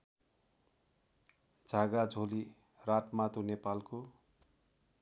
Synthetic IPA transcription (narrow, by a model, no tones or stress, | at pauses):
d͡zʱaɡad͡zʱoli | raʈmat̪onepalko